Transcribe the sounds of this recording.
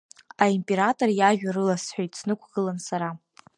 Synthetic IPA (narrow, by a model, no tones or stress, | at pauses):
aimpʼeɾatʼorjaʒᶣaɾɨlasħʷᶣajtʰsʰnɨkʷʰɡ̥ɨlansaɾa